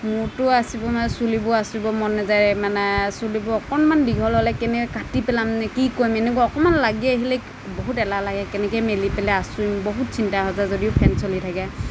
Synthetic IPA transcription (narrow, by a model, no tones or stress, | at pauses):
mʊtʊasibɔmaɛsulibʊasubɔmɔnːɛzaɹɛmanɛsulibɔɔkɔnmandiɡʱɔlɦɔlɛkɛnɛkkatipɛlamnɛkikojmɛnɛk̬waɔkɔmanlaɡɛaɦilɛk | bɔɦutɛlalaɡɛkɛnɛkɛmelipɛlɛasuimbɔɦut̚sʰintaɦɔzazodiʊpʰɛnsɔlitʰakɛ